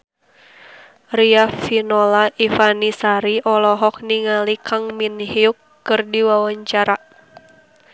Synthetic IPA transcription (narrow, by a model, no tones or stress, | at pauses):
riafinɔlaʔifanisaɾiʔɔlɔɦɔk̚niŋalikʰaŋminhiukːɨrdiwawaɲt͡ʃaɾa